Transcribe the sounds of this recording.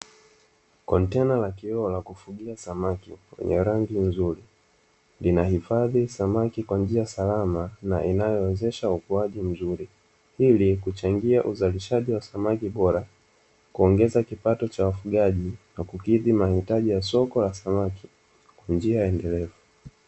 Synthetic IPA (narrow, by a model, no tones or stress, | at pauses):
kɔntɛnalakiɔɔlakufuɠiasamakiwɛ̰ɲɛ̰ɾaŋɡin̩zuɾi | linahifaðisamakikwand͡ʒiasalamanaʔinajɔɛzɛʃaukuaʄim̩zuɾi | ilikut͡ʃaŋɡiaʔuzaliʃaʄiwasamakiɓɔɾa | kuɔŋɡɛzakipatɔt͡ʃawafuɠaʄinakukiðimahitaʄijasɔkɔlasamaki̥ | kwand͡ʒiajaɛndɛlɛvu